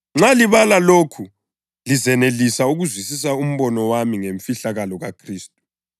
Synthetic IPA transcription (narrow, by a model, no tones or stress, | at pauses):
ŋ͡ǁaliβalalokʰu | lizɛnelisauɣuzwisis̬aum̩βɔnɔwamiŋeɱfiɬaɣalɔɣakʰriːstʼu̥